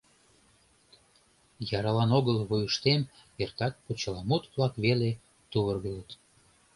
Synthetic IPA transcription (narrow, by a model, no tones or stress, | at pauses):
jɑɾɑlɑnoɣəlβujəʃt̪em | ert̪ɑk̪̚put͡ɕəlɑmut̪βlɑkβele | t̪uβərɣələt̪